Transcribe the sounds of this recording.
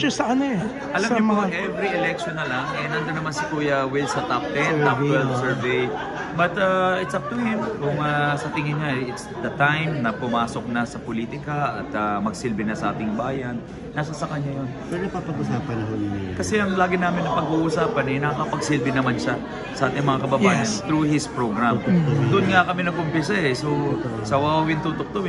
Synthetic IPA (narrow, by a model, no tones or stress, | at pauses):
osɐʔɐnoɛ | ʔɐlamɲʊpoɐŋʔɛvɾiʔɛlɛk̚ʃonːɐlaŋɛnɐnd̪onɐmansɪkuːjɐwɪlsɐt̪ap̚t̪ɛt̪ːapɛlsɛɹvej | bɐt̪ɐʔɪt̪sɐp̚t̪ʊnɪnkʊŋɐsɐt̪ɪŋɪnɲaɪt̪sd̪ɐt̪ajmnɐpʊmaːso̞k̚nɐsɐpoliːt̪ɪkɐʔɐt̪ɐmɐɡsɪlbɪnɐsɐʔaːt̪ɪŋbaːjɐnː | asɐsɐkɐɲːajonpɛɾnɐpapɐɡusaːpɐnɐɦonkɐsɛʔɐŋlaːɡɪnaːmɪnːɐpɐɡuʔuːsaːpɐnɛnɐkakɐpɐɡsɪlbɪnɐmanʃɐ | sɐʔaːt̪ɪŋmɐŋakɐbɐbaːjɐnt̪ɾuhɪspɹoɡɾammd̪ʊʔnŋakɐmɪnɐɡ̚ʊmpɛsɐɛsosɐwawɐwɪnt̪ut̪ok̚t̪ow